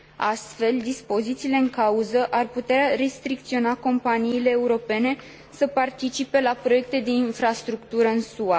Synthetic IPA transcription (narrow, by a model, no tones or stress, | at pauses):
ast̪fe̞ld̪ispo̞zit̪siːle̞ɨŋkauzəʔarput̪eare̞st̪ɾik̚t̪sio̞nako̞mpaniːle̞ːuɾo̞pe̞ne̞ | səpart̪it͡ʃipe̞lapɾo̞je̞k̚t̪e̞d̪e̞infɾast̪ɾukt̪uɾəɨnsua